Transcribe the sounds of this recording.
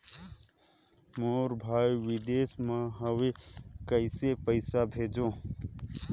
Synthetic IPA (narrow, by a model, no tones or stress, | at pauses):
moːɾbʱaːjiwɪd̪eːsmãɦəwekəɪsepəɪsabʱeːd͡ʒõː